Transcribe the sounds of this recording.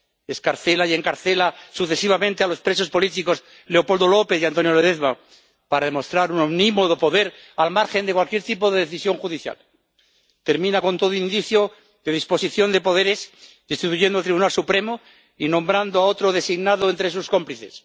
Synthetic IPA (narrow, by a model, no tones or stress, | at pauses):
e̞skaɾθe̞laje̞ŋkaɾθe̞lasuθe̞siβ̞amẽnt̪e̞alo̞spɾe̞so̞spo̞lit̪iko̞s | le̞o̞pold̪o̞lo̞pe̞θjant̪o̞njoleðeθβa | paɾaðemo̞st̪ɾaɾunomnimo̞ðo̞po̞ðeɾ | almaɾxe̞nd̪ekwalkje̞ɾt̪ipo̞ðe̞ðeθisjo̞ŋxuðiθja̰l | t̪e̞ɾmĩnako̞nt̪o̞ð̞oind̪iθjo | ðe̞ð̞ispo̞siθjo̞nd̪epo̞ðe̞ɾe̞zðist̪it̪uʝend̪oalt̪ɾiβunalsupɾe̞mo | inõ̞mbɾand̪oao̞t̪ɾo̞ðe̞siɣnaðoe̞nt̪ɾesusko̞mpliθe̞̰s